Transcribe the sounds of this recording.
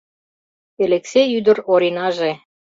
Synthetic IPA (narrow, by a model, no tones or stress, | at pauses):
elekseyd̪ə̆ɾoɾʲinɑʒe